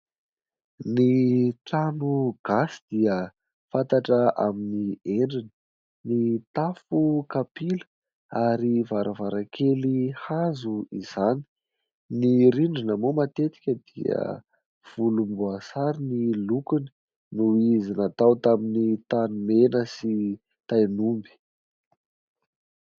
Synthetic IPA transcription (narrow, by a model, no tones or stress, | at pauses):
niʈ͡ʂanuɡ̥asi̥d̪̥iə | fant̪aʈ͡ʂəʔa̰minieɳɖ͡ʐinə̥ | nit̪afukapilə̥ | aɾivaɾəvaɾakʰelihazuiz̥ani̥ | niɾiɳɖ͡ʐinəmomat̪et̪i̥kʲəd̪ḭə̰ | v̥ulumbuasaɾinilukuni̥ | nuizinat̪awt̪aminit̪anumenəsi | t̪ajnumbi̥